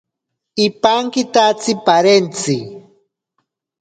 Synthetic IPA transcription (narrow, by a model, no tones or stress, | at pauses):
ipaŋkɪt̪at͡sipaɾent͡si